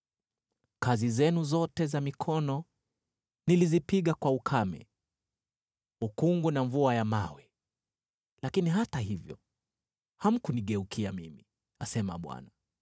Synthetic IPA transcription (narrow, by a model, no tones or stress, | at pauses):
kazizɛnuzɔtɛzamikʰɔnɔ | nilizipiɠakwaukʰamɛ̰ | ukuŋɡunaɱvuajamawɛ | lakiniɦataɦivjɔ̰ | ham̩kuniɠɛukʰiamimi | asɛma̰ɓwa̰na